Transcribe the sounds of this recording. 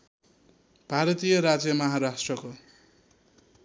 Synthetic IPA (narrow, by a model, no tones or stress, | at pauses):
b̥ʱaɾʌt̪ijʌɾad͡zjʌmʌɦaɾasʈrʌko